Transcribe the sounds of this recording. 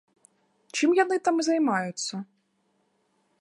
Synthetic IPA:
t͡ʃɨmjanɨt̪amzɐjmajʊt̪sʲːɐ

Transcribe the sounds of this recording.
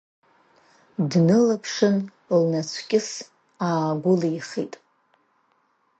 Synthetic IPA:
dnɨlapʰʂɨn | lnat͡sʷʰkʲʼɪs | aːɡʷʊliχḭtʼ

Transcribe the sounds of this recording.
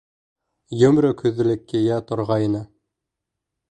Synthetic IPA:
jɵ̆mɾɵkʰɵðɘ̆lɘ̆kːɘjæt̪ŏɾʁɑjnɤ

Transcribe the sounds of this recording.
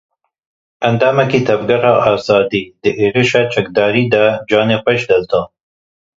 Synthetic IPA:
and̪amakit̪abɡaɾɑʔasɑd̪id̪əʔeɾiʃat͡ʃakd̪ɑɾid̪ad͡ʒɑːnepaʃd̪alt̪a

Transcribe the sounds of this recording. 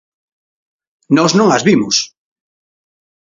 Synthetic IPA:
nɔznõŋazβimʊs

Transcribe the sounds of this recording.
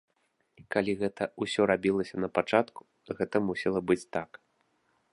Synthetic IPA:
ikalʲiɣɛt̪ɐusʲɔɾabʲilˠɐsʲɐnɐpat͡ʂat̪ku̥ | ɣɛt̪ɐmusʲɛlˠɐbɨt͡sʲt̪ak

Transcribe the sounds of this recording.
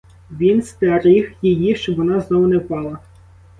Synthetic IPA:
ʋʲinst̪ɛɾixjejiʃt͡ʃɔbʋɔnɑznɔʋʊnɛpɑlˠɐ

